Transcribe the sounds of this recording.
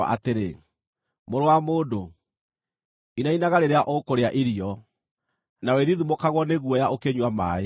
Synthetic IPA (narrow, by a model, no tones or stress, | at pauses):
a̰ʔa̰teɾḛ | moɾowamoːdo | inainaɣaɾeɾeaʔokoɾeaʔiɾiɔ | naweðiðumokaɣwɔneɣuɔjaʔokeɲwama̰e